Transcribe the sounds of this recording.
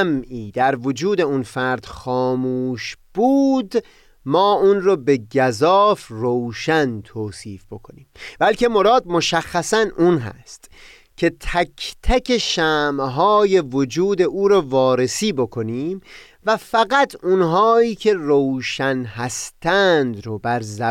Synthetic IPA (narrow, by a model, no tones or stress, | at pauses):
mʔiːd̪æɾvod͡ʒuːd̪e̞unfæɾd̪̥xɒːmuːʃb̥uːd̪ | mɒːʔuːnrɔːbe̞ɟæzɒːfrowʃænt̪ʰoːsiːfb̥o̞kʰo̞niːmbælkʰe̞mo̞ɾɒːd̪̚mo̞ʃæxːæsænʔunɦæ̰st̪ | cʲʰe̞t̪ʰækʰt̪ʰækʰeʃæːmɦɒːje̞vod͡ʒuːd̪e̞ʔuːɾɔːvɒːɾe̞siːbo̞kʰo̞niːm | væfæɣæt̪ʰunɦɒːiːcʰe̞rowʃænɦæst̪ʰænd̪ɾobæɾzæ